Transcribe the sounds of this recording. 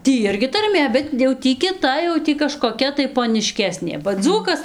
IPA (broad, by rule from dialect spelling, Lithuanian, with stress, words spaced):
ˈtʲiː ˈɪrʲɡʲɪ tɐrʲˈmʲeː bʲɛt jɛʊ ˈtʲiː kʲɪˈtɐ jɛʊ ˈtʲiː kɐʃkoːˈkʲɛ tɐɪ poːnʲɪˈʃʲkʲæːsʲnʲeː bɐ ˈd͡zuːkɐs